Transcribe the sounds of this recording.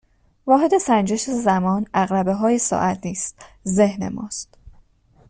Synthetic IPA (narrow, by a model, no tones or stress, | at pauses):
vɒːɦe̞d̪e̞sænd͡ʒe̞ʃezæmɒːnæɣɾæbe̞ɦɒːje̞sɒ̰ːʔæt̪ʰniːst̪̚ze̞hne̞̰mɒ̰ːst̪